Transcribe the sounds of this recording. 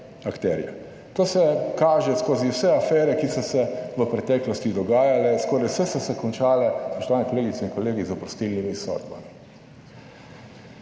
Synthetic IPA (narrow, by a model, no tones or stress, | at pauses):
akt̪ɛːɾḭja̰ | t̪oːsɛkaːʒɛskoːziwsɛafɛːɾɛkisɔsɛʋəpɾɛt̪ɛːklɔst̪id̪ɔɡaːjalɛskɔːɾajwsɛsɔsɛkɔnt͡ʃaːlɛspɔʃt̪ɔʋaːnɛkɔleːɡit̪sɛinkɔleːɡizəpɾɔst̪ilnimisɔ̰d̪ba̰mi